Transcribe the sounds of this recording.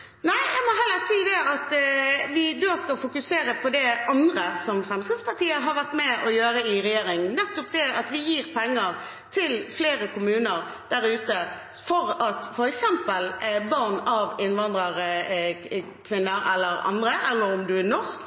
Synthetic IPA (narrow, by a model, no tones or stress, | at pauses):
næɪæɪmɔɦɛlːəɾsiːd̪ɛɑt̪ʋɪd̪oːskɑfʊkʉseːɾəpʰɔd̪ɛʔɑnd̪ɾəsɔmfɾɛmsəspɑʁt̪iːəɦɑɾʋæʁt̪mɛʔɔjøːɾəɪɾɛjeːɾɪŋnɛt̪ːɔp̚d̪ɛɑt̪ʋɪjiːɾpʰɛŋːəɾ | t̪ʰɪlfleːɾəkʊmʉːnəɾ | d̪̥æɾʉːt̪ə | fɔɾɑt̪fɔɾɛksɛmpəlbɑʁnɑʋɪnʋɑnd̪ʁəʁ | kʰʋɪnːəɾɛ̰lːəɾɑ̰nd̪ʁəʔɛlːəɾɔmd̪ʉænɔʁsk